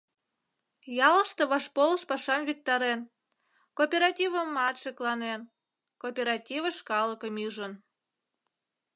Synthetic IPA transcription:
jɑlə̆ʃt̪ŏβɑʃpolˠə̆ʃpɑʃɑmvʲik̚t̪ɑɾen | kopʲeɾɑtʲivə̆mːɑt̪ʃeklˠɑnen | kopʲeɾɑtʲivəʃkɑlˠəkəmiʒə̆n

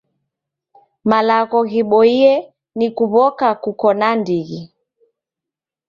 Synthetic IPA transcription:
malaɣɔɣiɓɔiɛ | nikuβɔkakukɔnandiɣi

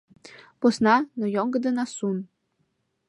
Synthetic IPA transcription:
posnɑnojoŋɡə̆d̪ə̆nɑsun

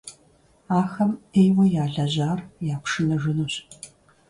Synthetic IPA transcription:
aːxɐmejwɐjaːɮɐʑaːrjaːkʷʰʂɨnɐʒɨnuːɕ

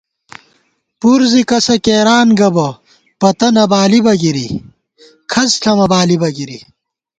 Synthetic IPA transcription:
puɾzikɐsɐkeːɾaːnɡɐbɐ | pɐt̪ɐnɐbaːlibɐɡiɾḭ | kʰɐsɬʰɐmɐbaːlibɐɡiɾi

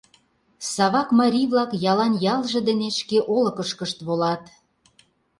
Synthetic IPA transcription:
sɑβɑkmɑɾʲijβlɑkjɑlɑnjɑlˠʒĕd̪ə̆neʃkeʔolə̆kə̆ʃkəʃt̪βolɑt̪

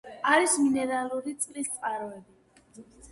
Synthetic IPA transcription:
aɾisminɛɾalˠuɾit̪sʼlist̪sʼqʼaɾɔɛbi

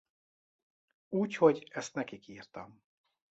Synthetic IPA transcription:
uːcho̞ɟɛst̪nɛkikiːrt̪ɒm

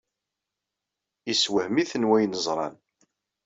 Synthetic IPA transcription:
iswəhmiθənwæjnəzˤɾˤɑ̰n

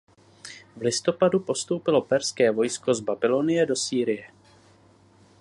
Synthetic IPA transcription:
vlɪst̪o̞padupo̞st̪owpɪlo̞pɛɾskɛːvo̞jsko̞zbabɪlo̞nɪjɛdo̞siːɾɪjɛ

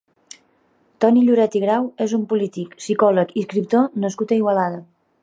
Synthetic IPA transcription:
t̪ɔniʎuɾɛt̪iɣɾawezumpulit̪iksikɔləkiskɾip̚t̪onəskut̪əiɣwəlaðə

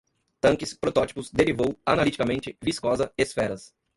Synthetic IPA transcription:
t̪ɐ̃ŋkɪspɾot̪ɔt͡ʃi̥pʊzd̪eɾivowɐnalit͡ʃikɐmẽnt͡ʃɪviskɔzɐesfɛɾɐs

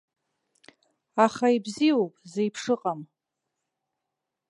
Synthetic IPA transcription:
aχaibziowpʼzejpʰʂɨqʼam

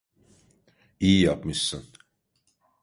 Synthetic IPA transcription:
ijijapmɯʃsɯn

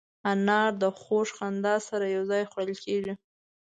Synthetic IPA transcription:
anɑɾd̪əxoʂxand̪ɑsaɾajawzɑjxaɽəlkeʐi

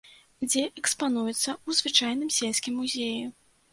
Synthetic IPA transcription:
d͡zʲɛʔɛkspan̪ujɛt̪sːɐuzvɨt͡ʂajn̪ɨmsʲelʲsʲkʲimːuzʲeju

